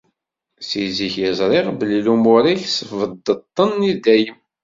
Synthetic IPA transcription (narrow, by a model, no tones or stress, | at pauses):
siziçjəzˤɾˤɪʁbəlilumʊɾiçsvəd̪ːət̪ˤːənid̪æjəm